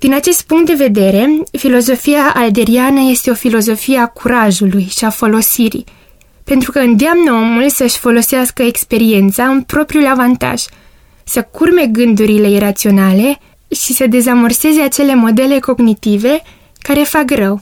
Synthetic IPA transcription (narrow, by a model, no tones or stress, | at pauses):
d̪̥inat͡ʃe̞st̪̚puŋkt̪̚d̪e̞ve̞d̪e̞ɾe̞filo̞zo̞fijaʔald̪e̞ɾianəje̞st̪e̞o̞filo̞zo̞fijeakʰuɾaʒulujʃiafolo̞siɾḭ | pe̞nt̪ɾukəɨnd̪eamnəo̞mulsəʃʲfo̞lo̞seaskəekspe̞ɾie̞nt̪saɨnpɾo̞pɾiulavant̪a̰ʒ̥ | səkurme̞ɡɨnd̪uɾile̞irat̪sio̞nale̞ | ʃisəd̪e̞zamərse̞ze̞at͡ʃe̞le̞mo̞d̪e̞le̞ko̞ɡnit̪ive̞ | kaɾe̞fakrəw